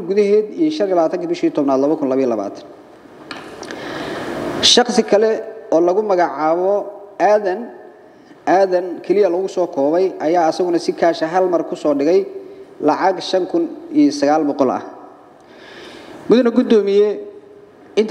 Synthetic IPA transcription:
ɡʊðɐɦɛːd̪ijɔʃɐnijlɐβaːt̪ʰɐŋkʰiːbɪʃiːt̪ʰɔbnaːd̪lɐβɐkʰʊnlɐβɐijɐlɐβa̰ːt̪ʰn | ʃɑχsɪkʰɐlɛɔːlɐɣʊmɐɣɑʕaːβɔaːðɐn | ʔaːðɐnkʰɛlɪjɐlɐɣʊsɔːkʰɔːβɛjʔɐjaːɐsɐɣʊnɐsɪkʰaːʃɐɦɐlmɐrkʰʊsɔːɖɪɣɛjlɑʕɑɡʃɐŋkʰʊnijɐsɐɣaːlbɔqɔlɐ̰h | mʊðɐnɐɡʊd̪ɔːmɪjɛ | ɪnt̪

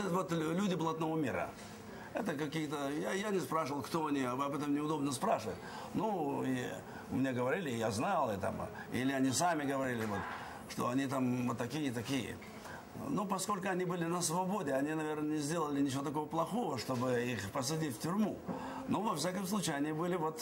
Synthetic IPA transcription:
vot̪lʲudʲɪblˠɐt̪novomʲiɾə̰ | ɛt̪əkɐkʲijət̪əjajanʲɪspɾaʂɨvəlˠkt̪o̞ɐnʲiɐbɐbɛt̪əmnʲɪʊd̪o̞bnəspɾaʂɨvətʲ | nui | mʲɪnʲaɡəvɐɾʲilʲɪjaznalˠɪt̪a̰m | ḭlʲɪɐnʲisamʲɪɡəvɐɾʲilʲɪvo̞t̪ | ʂt̪o̞̰ɐnʲit̪amot̪ːɐkʲijət̪ɐkʲijə̰ | nopɐsko̞lʲkʊɐnʲibɨlʲɪnəsvɐbo̞dʲɪɐnʲinɐvʲe̞rnənʲɪzʲdʲe̞lˠəlʲɪnʲɪt͡ɕɪvot̪ɐk̬o̞vəplˠɐxo̞vəʂt̪o̞bɨixpəs̬ʊdʲitʲftʲʊɾʲmu | no̞vɐfsʲakəmslˠut͡ɕɪɐnʲibɨlʲɪvo̞t̪

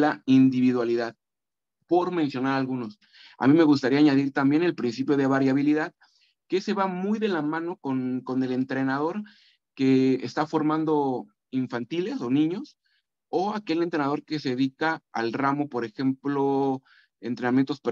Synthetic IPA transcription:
laind̪iβiðwaliðað | po̞ɾmẽ̞nsjo̞naɾalɣuno̞s | a̰mĩme̞ɣus̬t̪aɾiaɲaðiɾt̪ambje̞ne̞lpɾinsipjo̞ð̞e̞βaɾjaβ̞iliðað | kese̞βamujðe̞lamãno̞konko̞ne̞le̞nt̪ɾe̞nað̞o̞ɾ | ke̞ːst̪afo̞ɾmãnd̪o̞ | iɱfant̪ile̞so̞nĩɲo̞s | o̞ake̞lent̪ɾenaðo̞ɾke̞se̞ðeðikaa̰lramo̞po̞ɾe̞xe̞mplo̞ | e̞nt̪ɾe̞namje̞nt̪osp

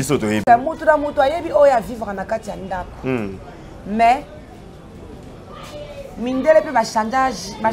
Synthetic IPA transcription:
isotojeamotunamotoajebiojoavivaɣanakatijandako̥ | mɛ | mindelepebataba

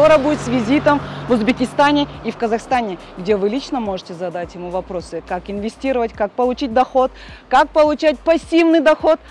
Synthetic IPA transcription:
oɾəbudʲɪt̪svʲɪzʲit̪əmvʊzbʲɪkʲɪst̪anʲɪifkəzɐxst̪anʲɪ | ɡdʲe̞vɨlʲit͡ɕnəmo̞ʐɨtʲɪzɐd̪atʲjɪmuvɐpɾo̞sɨkakɪnvʲɪsʲtʲiɾəvətʲkak̚pəlˠʊt͡ɕit̚ʲd̪ɐxo̞t̪kak̚pəlˠʊt͡ɕæt̚ʲpɐsʲivnɨjd̪ɐxo̞t̪

